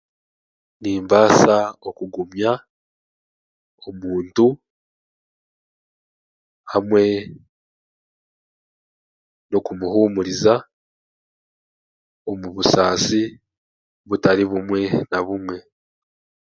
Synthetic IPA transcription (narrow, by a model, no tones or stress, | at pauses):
niːmbaːsao̞kuɡumja | omuːntu | hamwe̞ | nokumuɦuːmuɾiza | o̞muβusaːsi | βutaɾiβumwe̞naβumwe̞